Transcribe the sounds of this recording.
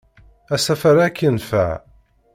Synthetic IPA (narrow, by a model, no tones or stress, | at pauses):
æsæfaɾakːənfæ̰ʕ